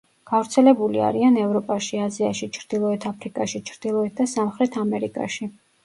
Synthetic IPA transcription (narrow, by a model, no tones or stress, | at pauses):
ɡ̥avɾt̪sʰɛlɛbulia̰ɾianɛvɾɔpʼaʃiaziaʃit͡ʃʰɾd̪̥ilˠɔɛt̪ʰapʰɾikʼaʃit͡ʃʰɾd̪̥ilˠɔɛt̪̚d̪asamχɾɛt̪ʰamɛɾikʼa̰ʃi